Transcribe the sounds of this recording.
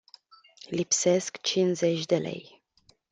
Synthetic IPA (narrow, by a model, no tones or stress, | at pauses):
lipse̞skt͡ʃinze̞t͡ʃʲd̪e̞le̞̰j